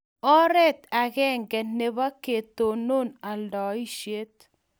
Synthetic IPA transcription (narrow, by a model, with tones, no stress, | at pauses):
ɔ˦ɾɛ˦t̪a˨ɣɛ˦ŋɡɛ˨ne˨βa˦ke˨t̪o˨no˦na˨ldɔ˨i˦ʃe˦t̪̚